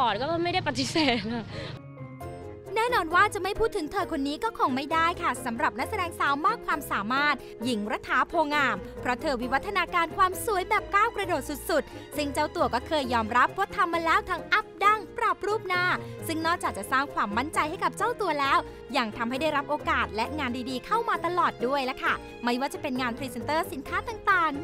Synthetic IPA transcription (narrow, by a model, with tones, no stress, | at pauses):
ɔː˨˩n̚kɔː˥˩ɔ˥˩ma˥˩jda˥˩jpa˧t̪ːi˦˥seː˨˩t̪̚ka˧˩ | nɛː˥˩nɔː˧nwaː˥˩t͡ɕa˨˩ma˥˩jpʰuː˥˩t̪ʰːɯ˩˦t̪ʰɤː˧kʰo˧nːiː˦˥kɔː˥˩kʰɔː˧˩ŋma˥˩jdaː˥˩jkʰa˥˩sa˩˦mɾa˨˩p̚na˦˥k̚sa˧dɛː˧ŋsaː˨˦wmaː˥˩kʰwaː˧msaː˩˦maː˥˩t̪̚ | ji˨˩˦ŋɾa˦˧˥t̪ʰːaː˨˦pʰoː˧ŋaː˧mpʰɾɔ˦˥t̪ʰɤː˧wi˦˥wa˦˥t̪ʰːa˧naː˧kaː˧nkʰwaː˧msu˨˩˦jbɛː˨˩p̚kaː˥˩wkɾa˧doː˨˩t̪̚su˨˩t̪̚su˨˩t̪̚sɯ˥˩ŋt͡ɕa˥˩wt̪u˧ɐkɔː˥˩kʰɤː˧jːɔː˧mɾa˦˥pʰːɾɔ˦˥t̪ʰːa˧mːaː˧lɛː˦˥wt̪ʰaː˦˥ŋʔa˦˥p̚da˥˩ŋpɾa˨˩p̚ɾuː˥˩p̚naː˥˩sɯ˥˩ŋnɔː˥˩k̚t͡ɕaː˨˩k̚t͡ɕa˨˩saː˥˩ŋkʰwaː˧mːa˥˩nt͡ɕa˧jha˥˩jka˨˩p̚t͡ɕa˥˩wt̪u˧ɐlɛː˦˥w | ja˨˩ŋt̪ʰa˧mha˥˩jda˥˩jɾa˦˥p̚ʔoː˧kaː˨˩t̪̚lɛ˦˥ʔŋaː˧ndiː˧diː˧kʰa˥˩wmaː˧t̪a˧lɔː˨˩t̪̚du˥˩əjlɛ˦˥kʰa˥˩ | ma˥˩jwaː˥˩t͡ɕa˨˩pe˧nŋaː˧npʰɾiː˧se˧nt̪ɤː˥˩si˨˩˦nkʰaː˦˥t̪aː˨˩ŋt̪aː˨˩ŋ